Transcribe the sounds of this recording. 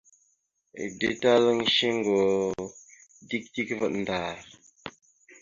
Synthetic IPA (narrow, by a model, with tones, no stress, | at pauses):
dḭ˦ta˦lə˦ŋ˦ʃi˦ŋ˦˨ɡo˨ | di˦k̚di˦kvə˨tn̩˨daː˨ɾ